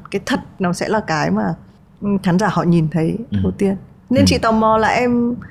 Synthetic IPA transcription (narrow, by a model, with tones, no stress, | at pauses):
kaː˨˦jt̪ʰə˨˩t̚nɔ˨˦sɛ̰˧˥laː˨˩kaː˨˦jmaː˨˩˨ | xaː˨˦nzaː˧˩hɔ̰˧˨ɲi˨˩nt̪ʰə˨˦jt̪ʰə˨˧˩wt̪i˧ən | ne˧nt͡ɕḭ˧˨t̪ɔ˨˩wmɔ˨˧˩la̰ː˨˩ʔɛ˧m